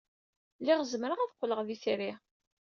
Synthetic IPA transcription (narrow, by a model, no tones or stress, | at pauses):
lːɪʁzəmɾəʁæðqʷːləʁðiθɾi